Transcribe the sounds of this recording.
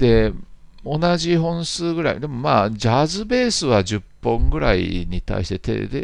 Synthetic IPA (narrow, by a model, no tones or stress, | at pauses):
d̪̥e̞ | o̞naʑiɦõ̞ɰ̃sɨːɡɯ̟ɾa̰ḭd̪e̞mo̞maːd͡ʑaːzɨbe̞ːsɨβad͡ʑɨpːõ̞ŋɡɯ̟ɾa̰ḭɲ̟it̪a̰iɕi̥t̪et̪ḛd̪ḛ